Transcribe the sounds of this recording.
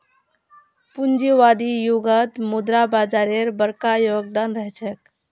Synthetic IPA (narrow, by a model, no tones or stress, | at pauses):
pund͡ʒiʋad̪ijuɡət̪mud̪ɾabad͡ʒaɾeɾbəɾkajoɡd̪anɾəɦɛt͡ʃʰɛk